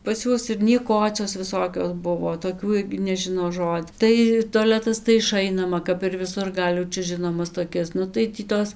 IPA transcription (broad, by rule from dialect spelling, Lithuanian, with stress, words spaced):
pɐs ˈjuɔs ɪr nʲiɛˈkoːt͡sʲoːs ʋʲɪˈsoːkʲoːs ˈbʊʋoː toːˈkʲuː ˈɪrʲɡʲɪ nʲɛˈʒʲɪnoː ˈʒoːtʲ tɐɪ toːˈlʲæːtɐs tɐɪ ɪˈʃɐɪnɐmɐ kɐp ɪr ʋʲɪˈsʊr ˈɡɐlʲ jɛʊ ˈt͡ʃʲɛ ˈʒʲɪnoːmɐs toːˈkʲɛs ˈnʊ tɐɪ ˈtʲiː ˈtoːs